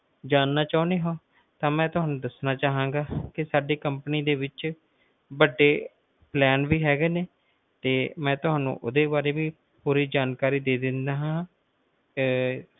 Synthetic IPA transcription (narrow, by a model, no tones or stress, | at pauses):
d͡ʒaːnːaːt͡ʃaːʊneːɦõː | t̪ãːmɛ̃ːt̪ʊɦaːnũːd̪əsnaːt͡ʃaːɦãːŋɡaːkɪsaːɖiːkəmpəniːd̪eːʋɪt͡ʃ | bəɖːeː | plɛːnʋiːɦɛːɡeːneː | t̪eːmɛ̃ːt̪ʊɦaːnːṵ̃ːʔʊd̪eːbaːɾeːʋiː | puːɾiːd͡ʒaːnkaːɾiːd̪eːd̪ɪnd̪aːɦãː